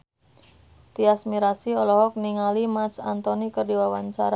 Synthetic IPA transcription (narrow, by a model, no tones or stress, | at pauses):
t̪iasmiɾasiɔlɔɦɔk̚niŋalimat̪sa̰nt̪ɔnikərdiwawaɲt͡ʃaɾa